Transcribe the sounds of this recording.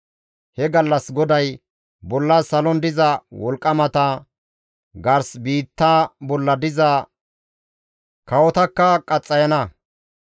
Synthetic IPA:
hɛɡɐlːɐsɡɔd̪ɐj | bɔlːɐsɐlɔnd̪ɪzɐwɔlkʼːɐmɐt̪ɐ | ɡɐɾsbiːt̪ːaːbɔlːɐd̪ɪzɐ | kɐwɔt̪ɐkːɐkʼɐt͡sʼːɐjɐnɐ

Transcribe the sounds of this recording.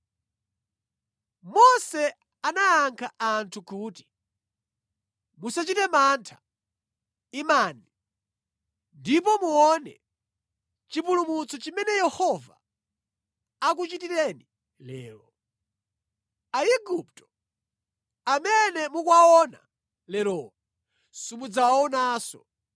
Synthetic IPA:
mɔsɛ | anajaŋkʰaʔantʰukuːti̥ | musat͡ʃitɛmantʰḁ | imani | ndip̬ɔmuɔnɛ̰ | t͡ʃipulumut͡sɔt͡ʃimɛnɛjɛhɔva̰ | ak̬ut͡ʃitiɾɛni | lɛ̰ːlɔ | aiɡuptɔ̥ | amɛnɛmukwaɔna̰ | lɛɾɔ | sumud͡zawaɔnaːsɔ

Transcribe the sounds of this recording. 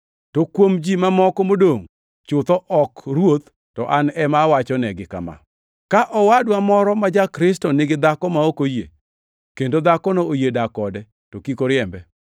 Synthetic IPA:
tokwomd͡ʒimamɔkɔmodoŋ | t͡ʃʊt̪ɔʔɔkrwot̪ | tɔ̰ʔanɛmawat͡ʃɔnɛɡɪka̰ma̰ | kaʔɔwadwamɔɾɔmad͡ʒakɾɪstɔnɪɡɪd̪akɔmaokojḛ | kendod̪akɔnoojedakɔdɛ | tokikoɾɪɛmbɛ

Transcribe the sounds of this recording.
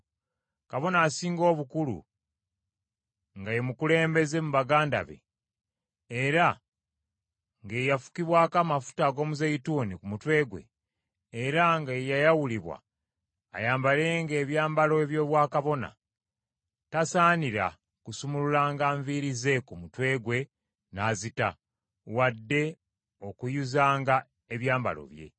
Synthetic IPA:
kaβo̞naːsiːŋɡo̞ːβukulṵ | ŋɡajemukule̞ːmbe̞ze̞muβaɡaːnda̰βe̞̰ | ɾa | ŋɡejafu̥kiβwaːkamafu̥taɡo̞ːmuzejitunikumutwe̞ːɡwe̞̰ː | ɾaŋɡajajawuliβwa̰ː | jaːmbale̞ːŋɡeːβjaːmbalo̞eβjo̞ːβwaːkaβo̞na̰ | tasaːniɾa̰ | kusumululaːŋɡaːɱviɾize̞kumutwe̞ːɡwe̞ | naːzita | wadːe̞ | o̞kujuzaːŋɡa | e̞βjaːmba̰lo̞̰βje̞̰

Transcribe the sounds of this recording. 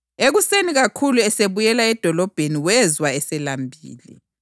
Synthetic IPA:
eɣuseniɣakʰuluɛseβujɛlaɛd̥ʱɔlɔb̥ʱeniwɛzwaɛsɛlambʱḭːlḭ

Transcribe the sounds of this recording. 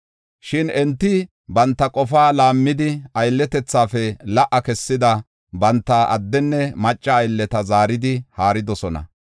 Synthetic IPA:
ʃɪnɛnt̪ːɪ | bɐnt̪ːɐkʼɔfaːlaːmːɪd̪ɪɐjlːɛt̪ɛt͡sːaːfɛlɐʔɐkɛsːɪd̪ɐ | bɐnt̪ːɐʔɐ̰d̪ːɛnːɛmɐt͡ʃʼːɐːjlːɛt̪ɐzaːɾɪd̪ɪhaːɾɪd̪ɔsɔnɐ̰

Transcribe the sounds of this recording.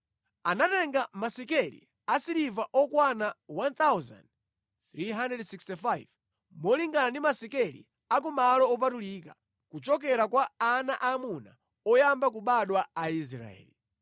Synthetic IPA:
anatɛŋɡamasikɛlḭ | asiɾivaʔɔkwanawant̪awza̰nd | θɾiɦandrɛdsikstifajv | mɔliŋɡanandimasikɛlḭ | akɔmalɔːp̬atuliːka | kut͡ʃɔkɛɾakwaːnaʔamuna̰ | ɔjambak̬uɓaɗwaais̬ɾa̰ɛ̰ːli

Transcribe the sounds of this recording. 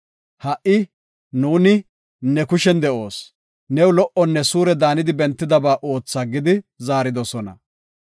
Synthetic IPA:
hɐʔɪ | nuːnɪ | nɛkʊʃɛnd̪ɛʔo̞ːs | nɛwlɔʔɔnːɛsuːɾɛd̪aːnɪd̪ɪbɛnt̪ːɪd̪ɐbaːʔo̞ːt͡sːaːɡɪd̪ɪzaːɾɪd̪ɔsɔnɐ̰

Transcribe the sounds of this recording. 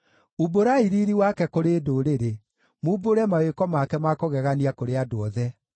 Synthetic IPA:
uboɾaiɾiɾiwakɛkoɾeːdoɾeɾe | muːboɾɛmawekɔmakɛmakoɣɛɣaniakoɾeadoɔðɛ

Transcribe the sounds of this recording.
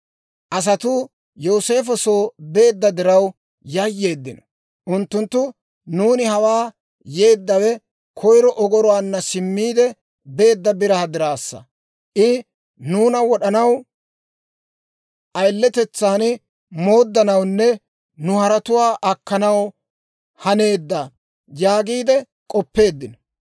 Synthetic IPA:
ʔɐs̬ɐt̪ʊ | joːse̞ːf̬ɔso̞ːbe̞ːd̪ːɐd̪ɪɾɐw | jɐjːe̞ːd̪ːɪnɔ | ʔʊnt̪ːʊnt̪ːʊ | nuːnɪhɐwaː | je̞ːd̪ːɐwɛ | kʰɔjɾɔʔɔɡɔɾɔwaːnːɐsɪmːiːd̪ɛ | be̞ːd̪ːɐbɪɾɐɐd̪ɪɾaːsːɐ̰ | ʔɪ | nuːnɐwɔɗɐnɐw | ʔɐjlːɛt̪ɛt͡sːaːn | mo̞ːd̪ːɐnɐwnːɛ | nʊhɐɾɐt̪ʊwaːʔɐkːɐnɐw | hɐne̞ːd̪ːɐ | jaːɡiːd̪ɛ | kʼɔpːe̞ːd̪ːɪnɔ̥

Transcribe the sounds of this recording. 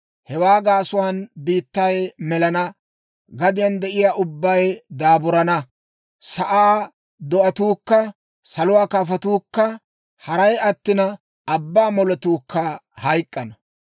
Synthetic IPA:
hɛwaːɡaːsʊwanbiːt̪ːɐjmɛlɐnɐ | ɡɐd̪ɪjɐnd̪ɛʔɪjaːʔʊbːɐjd̪aːbʊɾɐnɐ | sɐʔaː | d̪ɔɐt̪uːkːɐ | sɐlʊwaːkaːfɐt̪uːkːɐ | hɐɾɐjɐt̪ːɪnɐ | ɐbːaːmɔlɔt̪uːkʰːɐhɐjkʼːɐnɐ

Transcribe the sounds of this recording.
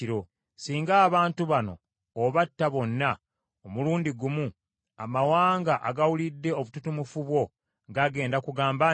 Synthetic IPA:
ɾo̞ | siːŋɡaːβaːntuβano̞̰ː | βatːaβo̞nːa | omuluːndiɡumu | a̰mawaːŋɡaʔa̰ɡawulidːe̞o̞βututumufuβwo̞ | ŋɡaɡe̞ːndakuɡaːmba

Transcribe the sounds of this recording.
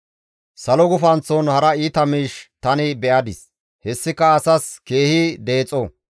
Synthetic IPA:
sɐlɔɡʊfɐnt͡sːɔnhɐɾɐiːt̪ɐmiːʃt̪ɐnɪbɛʔɐd̪ɪs | hɛsːɪkːɐːsɐske̞ːhid̪e̞ːt͡sʼːɔ

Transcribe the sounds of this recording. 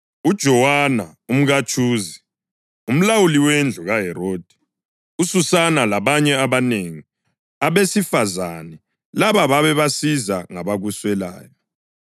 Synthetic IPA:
ud̥ʒ̥ʱɔwanaum̩ɣat͡ʃʰuːzi | um̩lawuliwend͡ɮʱuɣaɦɛɾoːd̥ʱi̥ | ususanalaβaɲɛaβaneŋi | aβesifazanɛ | laβaβaβɛβasizaŋaβaɣuswɛla̰ːjɔ

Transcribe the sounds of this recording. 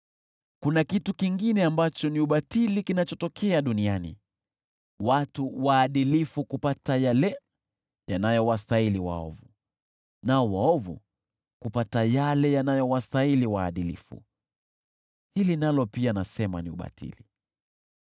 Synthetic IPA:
kunakitukiŋɡinɛambat͡ʃɔniuɓatilikinat͡ʃɔtɔkʰɛaɗunianḭ | watuwaːɗilifukupatajalɛ | janajɔwastailiwa̰ɔ̰vu | nawaɔvṵ | kupatajalɛjanajɔwastailiwaːɗilḭfṵ | hilinalɔpianasɛma̰niṵɓa̰tʰḭli

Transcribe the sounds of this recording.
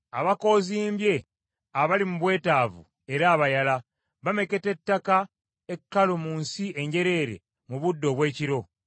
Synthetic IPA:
aβako̞ːziːmbje̞ | aβalimuβwe̞ːtaːvṵ | e̞ɾaːβajala | βame̞ke̞te̞tːaka | ekːalomuːnsie̞ɲɟe̞ɾe̞ːɾe̞̰ | muβudːo̞βwe̞ːciɾo̞

